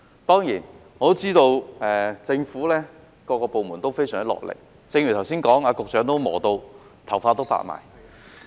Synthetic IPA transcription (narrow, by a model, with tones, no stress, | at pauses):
t̪ɔː˥ŋjiː˨˩nŋɔː˨t̪o˥t͡siː˥t̪o˧wɛː˨t͡sɪ˧ŋfuː˨˥lɛː˥ | kɔː˧kɔː˧po˨˧wmu˨˩nt̪o˥wfe˥jsœː˨˩ŋt͡slɔ̰ː˨k̚lɪ̰˨˩k̚ | t͡sɪ˧ŋɥy˨˩t̪ɐ˨˩wsiː˥nkɔː˨˥ŋaː˨˧kʊ˨k̚t͡ʃœː˨˥ŋt̪o˥wmɔː˨˩t̪o˧w | t̪ʰɐ˨˩wfaː˧t̪̬o˥wpa̰ː˧˥t̚ma̰ː˨˩j